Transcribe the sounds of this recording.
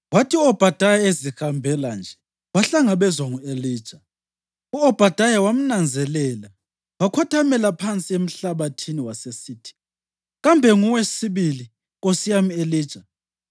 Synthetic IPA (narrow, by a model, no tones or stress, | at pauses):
watʰiuɔb̥ʱad̥ʱajaezihambʱɛland͡ʒʱɛ | waɬaŋaɓɛzwaŋueliːd̥ʒ̥ʱa | uɔb̥ʱad̥ʱajawam̩nand͡zʱɛlɛla | wakʰɔtʰamɛlapʰant͡sʼiem̩ɬaβatʰiniwasesiːtʰi̥ | ɣambʱɛŋuwesiβili | ɣosijamieliːd̥ʒ̥ʱa